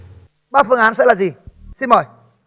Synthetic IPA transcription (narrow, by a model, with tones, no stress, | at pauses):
ɓaː˧˩fɨ˧əŋʔaː˨˦nsɛ̰˧˥laː˨˩zi˨˩si˧nməː˨˩j